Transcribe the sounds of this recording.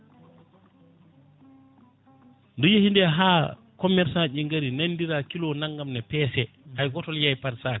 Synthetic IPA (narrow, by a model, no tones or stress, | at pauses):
ndujehindɛɦaː | kɔmɛɾsanʔiŋɡaɾinanːdiɾakilɔnaŋɡamnɛpɛːsɛ | ajɡɔtɔljajpaɾsaːk